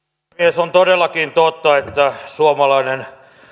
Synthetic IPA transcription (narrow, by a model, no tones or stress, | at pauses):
iesont̪odelːˑɑkint̪ot̪ːɑet̪ːæsuomɑlɑinen